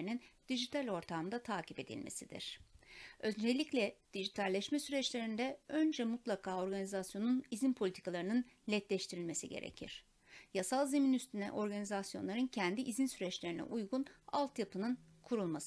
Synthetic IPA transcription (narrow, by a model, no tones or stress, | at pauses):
inind̪̥iʒit̪ʰalʲo̞ɾt̪ʰamd̪at̪ʰaːcʰipe̞d̪ḭlʲmḛsid̪ḭɾ̥ | ø̞nd͡ʒelʲːiclʲɛd̪̥iʒit̪ʰalʲːɛʃmɛsyɾɛt͡ʃlʲe̞ɾind̪ɛønd͡ʒɛmut̪lˠakʰaːo̞ɾɡanizasjo̞nunizinpʰo̞lʲit̪ʰikalˠaɾɯnɯn | lʲɛt̪lʲɛʃt̪ʰiɾilʲme̞siɟe̞̰ɾḛcʰḭɾ̥ | jasalˠzeminyst̪ʰynɛ̰ʔo̞ɾɡanizasjo̞̰nlˠaɾɯncʰænd̪iʔizinsyɾɛt͡ʃlʲe̞ɾinɛ̰ʔujɡuna̰lˠt̪japʰɯnɯnkʰuɾulˠmasɯ